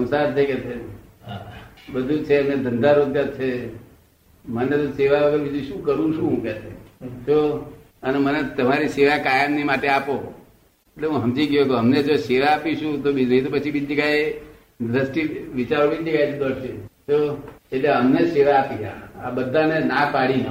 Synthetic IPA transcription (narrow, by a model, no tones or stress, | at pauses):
səmsaɾt̪ʰəjket͡ʃʰe | bəd̪ʱũt͡ʃʰeəmned̪ʱənd̪ʱaɾod̪ʱjat͡ʃʰe | mənet̪oseʋaʋəɡəɾbid͡ʒuʃũkəɾũʃũɦũket͡ʃʰet͡ʃʰo | ənemənet̪əmaɾiseʋakajəmnimaʈeapo | eʈleɦũɦəmd͡ʒiɡjok̪oəmned͡ʒoseʋaːpiʃũt̪obid͡ʒunəɦĩt̪̬opət͡ʃʰibid͡ʒd͡ʒəɡaj | d̪ɾəsʈiʋit͡ʃaɾobid͡ʒd͡ʒəɡajt͡ʃʰd̪əɽʃet͡ʃʰoeʈleəmneseʋaːpiɦa̰abəd̪ʱãnenapaɽinə